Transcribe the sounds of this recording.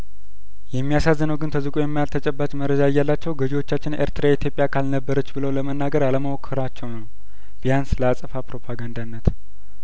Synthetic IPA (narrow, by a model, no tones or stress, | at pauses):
jɛmːijasazːənəwɡɨnt̪ʰəzɨkʼojɛmːajalt̪ʰət͡ʃʼɛbːat͡ʃməɾːəd͡ʒajːalːat͡ʃːɛwɡəd͡ʒiwo̞t͡ʃːat͡ʃːɪnʔḛɾt̪ʰɨɾait̪jo̞pʼjakʰalnəbːəɾət͡ʃːbɨləwləmənːaɡəɾaləməwokʰːɨɾat͡ʃːɛwnəw | b̥ijansləasʼəfapɾo̞pʰaɡand̪anːət̪